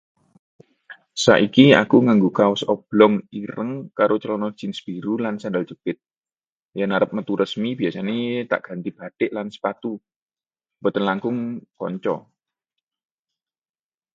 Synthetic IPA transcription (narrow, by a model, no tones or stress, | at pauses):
sa̰ʔikia̰kuŋaŋɡukaʊsɔb̥lɔŋiɾəŋkaɾot͡ʃəlɔnɔ̥d͡ʒ̥ɪnsb̥iɾulansandalt͡ʃəpɪt̪̚ | jaŋnaɾəp̚mət̪uɾəsmib̥iasanet̪a̰ʔɡ̥a̤nt̪ib̥a̤d̪̥ɪʔlansə̥pat̪u | bət̪ənlaŋkʊŋkɔ̰ɲt͡ʃɔ̰